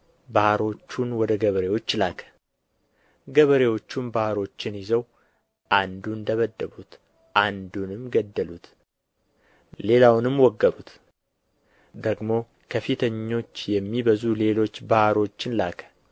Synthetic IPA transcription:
bahɾo̞t͡ʃːunwɔd̪əɡəβəɾewo̞t͡ʃːlakʰə̥ | ɡəβəɾewo̞t͡ʃːunbahɾo̞t͡ʃːɪnjɪzəw | ʔand̪und̪əβəd̪ːəβut̪ | ʔand̪unɨmɡəd̪ːəlut̪ | le̞lawnɨmwɔɡːəɾut̪ | d̪əɡmo̞ | kʰəfit̪ʰəɲːo̞t͡ʃːjɛmːibəzule̞lo̞t͡ʃːbahɾo̞t͡ʃːɪnlakʰə̥

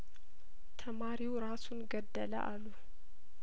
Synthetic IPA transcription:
t̪ʰəmaɾiwɾasunɡəd̪ːələ̰ʔa̰lːu

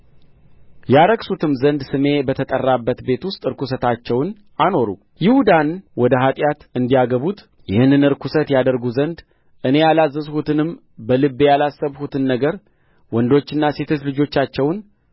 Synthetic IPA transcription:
jaɾəɡsut̪ɨmzənd̪sɨme̞bət̪ʰət̪ʼərːabːət̪be̞t̪wʊst̪ʼɨɾkʰusət̪ʰat͡ʃːɛwn | ano̞ɾṵ | jɪhud̪anwɔd̪əɦat̪ʼjat̪ɨnd̪ijaɡəβut̪ | jɪhɨnɨnɨɾkʰusət̪jad̪əɾɡuzənd̪ | ʔɨne̞jalazːəzhut̪ɨnɨm | bəlɨbːjalasːəβhut̪ʰɨnːəɡəɾ | wɔnd̪o̞t͡ʃːɨnːase̞t̪ʰo̞t͡ʃlɨd͡ʒo̞t͡ʃːat͡ʃːɛwn

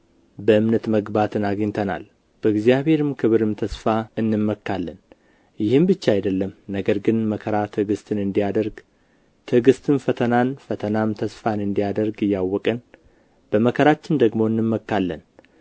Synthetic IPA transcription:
bəɨmnət̪məɡbat̪ʰɨnaɡəɲt̪ʰəna̰l | b̥əɨɡzijaβhe̞ɾɨmkʰɨβɾɨmt̪ʰəsfaɨnːɨmːəkːalːən | jɪhɨmbɨt͡ʃːaajd̪əlːəmnəɡəɾɡɨnməkʰəɾat̪ʰɨɡɨst̪ʰɨnɨnd̪ijad̪əɾɡ | t̪ʰɨɡɨst̪ʰɨnfət̪ʰənanfət̪ʰənamt̪ʰəsfanɨnd̪ijad̪əɾɡɨjːawːɔkʼən | b̥əməkʰəɾat͡ʃːɪnd̪əɡmo̞ɨnːɨmːəkːalːən

